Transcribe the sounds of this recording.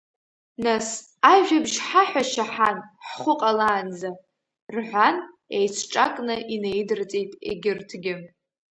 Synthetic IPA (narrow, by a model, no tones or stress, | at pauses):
nas | aʒᶣabʒħaħʷaʃaħanħχʷʊqʼalaːnd͡za | rħʷan | ejt͡sʷʰʈ͡ʂʼakʼnɨʔinejdɨrt͡sʼejtʼḛɡʲɪrtʰɡʲɪ